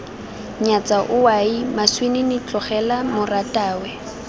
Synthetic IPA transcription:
ɲat͡sʼaʔʊwaimaswenɪnɪt͡ɬʼɔχɛlamʊratʼaːwɛ

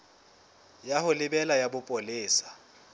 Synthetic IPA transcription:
jahʊlɪbɛlajabʊpʼolɪːsḁ

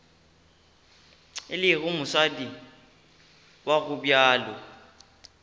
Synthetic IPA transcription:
ɪlɪɣʊmʊsadi | waɣʊbjaːlɔ

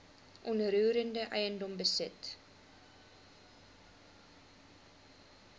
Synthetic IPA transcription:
ʔɔnɾuːɾəndəʔɛ̰jəndɔmbəsɛt

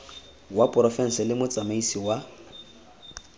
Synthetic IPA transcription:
wapʼrɔfɛn̩sɛlɪmʊt͡sʼamaisiwa

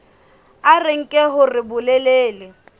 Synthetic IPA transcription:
arɪŋ̩kʼɛɦʊrɪbʊlɛleːlɪ

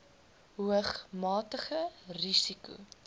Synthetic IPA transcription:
ɦuəχmɑːtəχərisikṵ

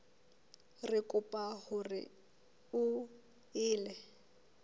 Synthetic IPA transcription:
rɪkʼʊpʼahʊrɪ̰ | ʊ | ɪːlɛ

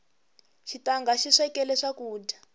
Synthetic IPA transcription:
ʃitaŋɡaʃiʂɛkɛlɛʂakuːda

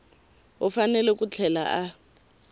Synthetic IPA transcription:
ɔfanɛlɛk̬ʼut͡ɬʰɛla̰ʔa

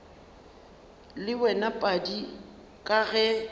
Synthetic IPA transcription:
lɪwɛnapʼadi | kʼaɣɛ

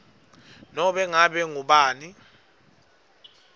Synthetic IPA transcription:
nɔɓɛŋaɓɛŋuɓaːni

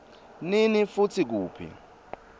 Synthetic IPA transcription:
ninifutʰik̬uːpʰḭ

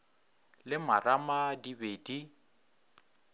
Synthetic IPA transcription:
lɪmaramadibedi

